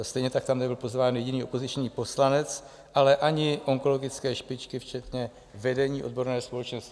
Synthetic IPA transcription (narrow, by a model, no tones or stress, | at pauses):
st̪ɛjɲɛt̪ak̚t̪amnɛbɪlpo̞zvaːnjɛɟɪniːo̞po̞zɪt͡ʃɲiːpo̞slanɛt͡s | ʔalɛʔaɲɪʔo̞ŋko̞lo̞ɡɪt͡skɛːʃpɪt͡ʃkɪft͡ʃɛt̪ɲɛ | vɛdɛɲiːʔo̞d̚bo̞ɾnɛːɦospolɛt͡ʃnost̪ɪ